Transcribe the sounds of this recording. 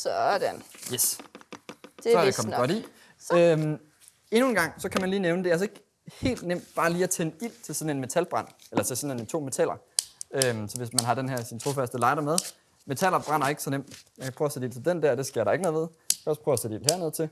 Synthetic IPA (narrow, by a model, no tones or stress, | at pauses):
sɒdenjes | d̥esɒdekʰɒmɡɒ̽ɾḭ | øm | e̝nue̝nɡ̥ɑ̈ŋ̰sɒ̽kʰæmænliːneʊnəd̥e̝ælsɒe̝ɡ̥ | he̝̰ːld̥nem̰d̥b̥ɑ̈ːliːæt͡sʰenəil̰t͡sʰe̝lsɒ̽n̩e̝nme̝t͡sʰælb̥ʁɑn̰elɐt͡sʰe̝sɒ̽ne̝nt͡sʰo̝̰ːme̝t͡sʰæl̰ɐ | ømsɒ̽ʋe̝smænɦɑ̈d̥enɦæɐ̰sint͡sʰʁo̝fæsd̥əlɑ̈ɪd̥ɐmeð̞ˠ | me̝t͡sʰælɐb̥ʁɑn̰ɐe̝ɡ̥sɒ̽nem̰d̥jɑkʰæpʰʁœːʊɐsedil̰t͡sʰe̝ld̥end̥æɐ̰d̥e̝sɡ̥eɐɾ̥ɑ̈eɡ̥nɔ̽ð̩ˠʋeð̞ˠ | kʰɒ̰ɐs̚pʰʁœːʊæsed̥ḭl̰hæɐ̰nɔ̽ðˠt͡sʰe̝